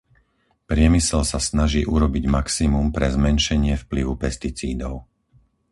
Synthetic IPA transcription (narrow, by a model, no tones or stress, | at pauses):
pɾɪɛmisɛlsasnaʒiːʔuɾɔbiɟmaksimumpɾɛzmɛnʃɛɲɪɛfpliʋupɛst̪it͡sḭːd̪ɔʊ